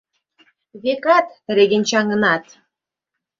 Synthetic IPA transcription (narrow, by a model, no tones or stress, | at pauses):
βekɑt̪ɾeɣɘ̆nʲt͡ɕɑŋɤ̆nɑt̪